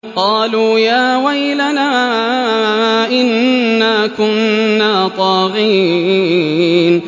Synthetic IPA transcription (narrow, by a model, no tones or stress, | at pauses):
qɑːluːjaːwajlanaː | ʔɪnːaːkʊnːaːt̪ˤɑːɣi | n